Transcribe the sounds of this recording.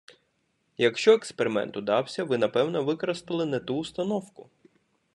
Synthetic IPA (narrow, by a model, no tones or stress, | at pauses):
jɐkʃt͡ʃɔekspeɾɪmɛ̰nt̪ʊd̪ɑwsʲɐʋɪnɐpɛwnɔʋɪkɔɾɐst̪ɐlˠɪnɛt̪uːst̪ɐnɔwkʊ̥